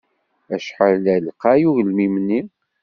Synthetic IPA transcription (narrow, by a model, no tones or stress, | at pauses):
æʃħəɾlælqajuɣəlmimənːi